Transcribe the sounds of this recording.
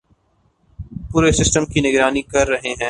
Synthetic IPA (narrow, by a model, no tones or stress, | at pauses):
puːɾesɪsʈəmkinɪɡɾaːnikɐɾːɐɦeɦɛ̃ː